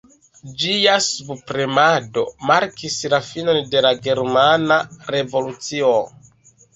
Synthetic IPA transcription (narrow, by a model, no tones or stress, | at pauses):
d͡ʒiasubpɾemado̞̰maɾkislafino̞nde̞laɡe̞ɾmanaɾe̞vo̞lut͡sio